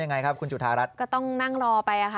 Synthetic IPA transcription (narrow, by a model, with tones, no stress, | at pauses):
ja˧ŋːa˧jkʰp̚kʰu˧nt͡ɕu˨˩t̪ʰaː˧ɾa˦˥t̪̚kɔː˥˩t̪ɔ˥˩ŋna˥˩ŋɾɔː˧pa˧jʔa˨˩kʰa˦˥